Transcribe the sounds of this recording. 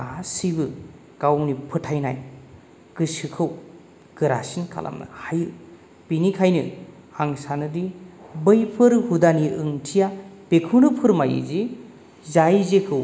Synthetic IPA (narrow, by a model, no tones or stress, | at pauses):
asibɯ | kawnipʰɯtʰajnaj | kɯsɯkʰɯw | ɡɯɾa̰sinkʰa̰lʔa̰mnɯ̰hajɯ | b̥inikʰajnɯ | aŋsanɯdibɯjpʰɯɾhudaniɯŋtʰijapekʰɯwnɯpʰɯɾmajɯ̰zi | zajzekʰɯw